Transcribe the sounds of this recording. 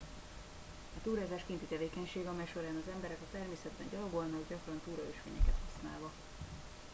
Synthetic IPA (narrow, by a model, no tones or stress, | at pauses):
ɒt̪uːɾaːzaːʃkint̪it̪ɛveːkɛɲʃeːɡɒmɛjʃo̞ɾaːnɒzɛmbɛɾɛkɒt̪ɛrmeːsɛd̪bɛ̰nɟɒloɡolnɒɡɟɒkrɒnt̪uːɾɒøːʃfḛːɲɛ̰kɛ̰t̪hɒsna̰ːlvɒ